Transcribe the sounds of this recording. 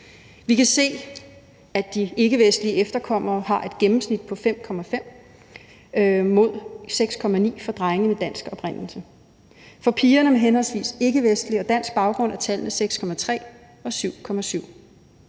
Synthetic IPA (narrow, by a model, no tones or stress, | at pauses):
ʋikʰæse̝̰ː | æd̥ie̝ɡ̥əʋesd̥liəefd̥ɐkʰɒ̽m̰ɐːhɑ̈ʔe̝d̥̚ɡ̥emm̩snid̥̚pʰɒ̽fem̰kʰɒ̽mæfem̰ | mo̝ð̞̰ˠseɡ̥skʰɒ̽mænḭːfɒ̽d̥ʁɑ̈ɪŋəmed̥æn̰sɡ̥ɒ̽b̥ʁen̰l̩sə | fɒ̽pʰiːɐnəmeɦenhɒ̽l̰sʋḭːse̝ɡ̥əʋesd̥liɒ̽d̥æn̰sɡ̥̚b̥ɑ̈ʊɡ̥ʁɔ̽n̰æt͡sʰælnəseɡ̥skʰɒ̽mæt͡sʰʁɛ̰ː | ɒ̽syʊ̰kʰɒ̽mæsyʊ̰